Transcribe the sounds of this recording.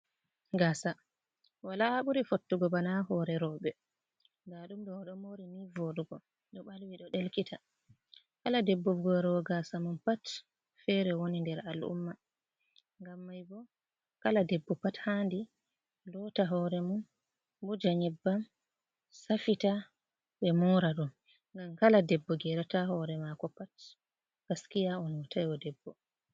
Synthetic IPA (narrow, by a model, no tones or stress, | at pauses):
ɡasa | walaɓuɾifotːuɡɔbanaɦɔɾɛɾɔːɓɛ | daɗumɗɔɗɔmoɾimivoɗuɡɔ | ɗɔɓalwiɗɔɗelkitʰa | kaladɛbːuvɡɔɾɔɡasamunpat | fɛɾɛwonindɛɾalʔṵmːa | ŋɡamːajbɔ | kaladɛbːɔpathandi | lɔtaɦɔɾɛmun | bɔd͡ʒaɲibːam | safita | ɓɛmɔɾaɗun | ŋɡamkaladɛbːɔɡɛɾataɦɔɾɛmakɔpat | kaskijaɔntʰajwɔdɛbːɔ